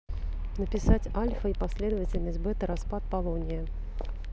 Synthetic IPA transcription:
nəpʲɪsat͡sʲalʲfəipasʲlʲɛd̪əvət͡sʲɪlʲnəsʲbɛt̪əɾaspat̪̚palˠɔnʲɪjə

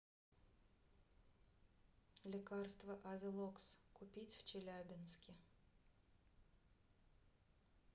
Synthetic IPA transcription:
lʲikɑrst̪vɐʔɐvʲɪlˠokskʊpʲit͡sʲw̥t͡ʃelʲabʲɪnsʲkʲɪ

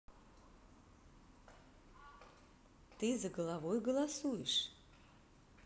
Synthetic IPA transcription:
t̪ɨzɐɡəlˠavojɡəlˠasujɪʂ

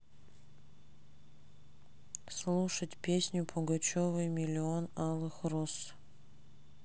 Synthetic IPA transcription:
slˠuʂətʲpʲesʲnʲʊpʰʊɡɐt͡ɕovɨjmʲɪlʲɪonɑlˠɨxros

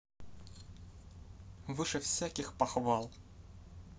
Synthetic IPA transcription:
vɨʂɨfsʲækʲɪxpɐxvalˠ

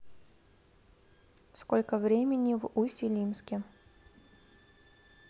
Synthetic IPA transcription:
skolʲkəvɾʲemʲɪnʲɪvusʲtʲɪlʲimskʲɪ

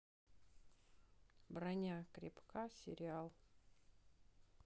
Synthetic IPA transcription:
bɾanʲakɾʲɪpkasʲɪ̰ɾʲɪalˠ

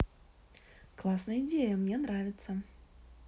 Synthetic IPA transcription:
klˠasnəjəɪdʲejəmnʲe̞nɾavʲɪt̪sə

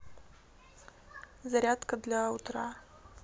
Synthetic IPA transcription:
zɐɾʲat̪kəd̪lʲaut̪ɾa

